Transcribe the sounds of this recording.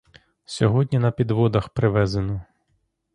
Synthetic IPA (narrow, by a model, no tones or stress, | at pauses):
sʲɔɦɔdʲnʲinɐpʲid̪ʋɔd̪ɐxpɾɪʋɛzenɔ